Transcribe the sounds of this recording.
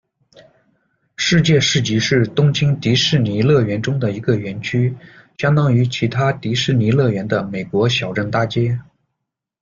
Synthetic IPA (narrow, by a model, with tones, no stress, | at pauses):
ʂɻ̩˥˧t͡ɕjɛ˥˧ʂɻ̩˥˩t͡ɕi˧˥ʂɻ̩˥˩t̪ʊ˥ŋt͡ɕʰi˥ŋt̪i˧˥ʂɻ̩˥˩ni˧˥lɤ˥˩ɥɛ˧˥nʈ͡ʂʊ˥ŋd̪ə˨i˧˥ɡə˧ɥɛ˧˥nt͡ɕʰy˥ | ɕjɑ˥ŋt̪ɑ˥ŋy˧˥t͡ɕʰi˧˥t̪ʰa˥t̪i˧˥ʂɻ̩˥˩ni˧˥lɤ˥˩ɥɛ˧˥nd̪ə˧me˨˩ɪkwɔ˧˥ɕjɑ˨˩ʊʈ͡ʂə˥˧nt̪a˥˩t͡ɕjɛ˥